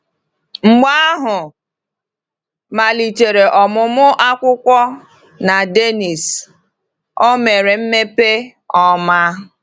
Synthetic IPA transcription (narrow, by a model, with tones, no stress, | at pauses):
ŋ͡m̩˨ɡ͡ba˦a˦ɦʊ˨ | ma˨li˨te˨ɾe˨ʔɔ˨mʊ˨mʊ˦ʔa˦kʷʊ˦kʷɔ˦ | na˨de˦ni˨s | o˦me˨ɾe˨m̩˦me˦pe˦ | ɔ˦ma˦